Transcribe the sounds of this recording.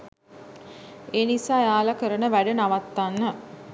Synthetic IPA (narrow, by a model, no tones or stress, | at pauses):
eːnisaːjaːlakəɾənəʋæɖənaʋat̪ːanːə